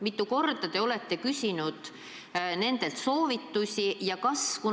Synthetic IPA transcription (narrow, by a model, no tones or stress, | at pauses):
mit̪ːˑuko̞rd̪ɑt̪e̞o̞le̞t̪ːe̞kysʲinud̪̥ | ne̞nd̪̥e̞lt̪so̞ːvit̪ːusʲijɑkɑsku